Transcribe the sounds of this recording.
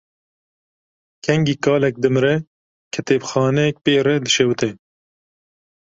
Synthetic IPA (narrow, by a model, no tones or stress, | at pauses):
kʰɛŋɡiːkɑːlɛk̚d̪ɨmɾɛ | kʰɛt̪eːbxɑːnɛɛk̚peːrɛd̪ɨʃɛwt̪ɛ